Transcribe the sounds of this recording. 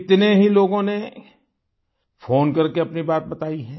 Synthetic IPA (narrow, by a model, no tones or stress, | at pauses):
ɪt̪neɦiloːɡõne | fʰoːnkɐɾkeɐpnibaːt̪̚bɐt̪aːiɦɛ̃ː